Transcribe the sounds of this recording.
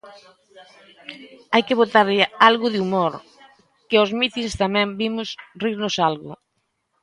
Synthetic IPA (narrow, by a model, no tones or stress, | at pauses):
ajkɪβot̪aɾʎɪalɣʊðɪumoɾ | kɪɔzmit̪inst̪amɛ̃mbimʊsriɾnʊsalɣʊ̰